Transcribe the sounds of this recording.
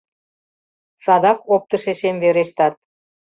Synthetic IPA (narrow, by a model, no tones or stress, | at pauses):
sɑd̪ɑkop̚t̪ə̆ʃeʃemveɾeʃt̪ɑt̪̚